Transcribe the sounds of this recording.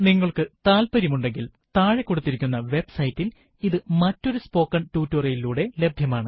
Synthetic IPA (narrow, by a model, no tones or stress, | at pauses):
niŋːɐɭkɨt̪aːlpɐɾimuɳɖe̞ŋɡil | t̪aːɻekːoɽut̪ːiɾikʲːunːɐʋe̞bsɐjtːil | iðɨmɐtːo̞ɾuspo̞ːkːɐɳtuːtːorɐjiluːɽe̞le̞bʱjɐmaːɳɨ